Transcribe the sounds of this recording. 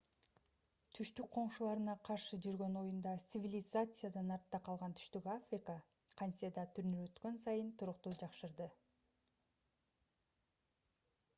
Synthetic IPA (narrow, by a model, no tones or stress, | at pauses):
t̪ʰyʃt̪yk̚qʰo̞ɴʃulˠɑɾɯnɑqʰɑɾʃɯd͡ʒyɾɡø̞no̞jund̪ɑt̪sɨvʲilʲɪzat̪sɨjad̪ɑnɑɾt̪ːɑqʰɑlˠʁɑnt̪ʰy̥ʃt̪ykafrʲɪkə | qʰanʲsʲijad̪ɑt̪ʰyɾnyɾø̞t̪kø̞nsɑjɯnt̪ʰuɾʊqt̪ud͡ʒɑqʃɯɾd̪ɯ